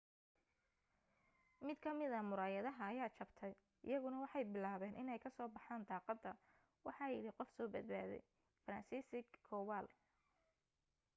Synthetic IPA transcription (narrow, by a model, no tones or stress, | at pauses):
mɪd̪kʰɐmɪðɐmʊɾaːjɐðɐɦɐːjaːt͡ʃʰɐbt̪ʰɛj | ʔɪ̰jɐɣʊnɐwɑħɑjbɪlaːβɛːnʔɪnɛjkʰɐsɔːbɑħaːnd̪ɑːqɑd̪ɐ | wɑħɑːjɪ̰ɽɪqɔfsɔːbɐd̪̚ba̰ːðɛ̰j | fɐɾɐnsiːsɪɡkʰːɔːwaːl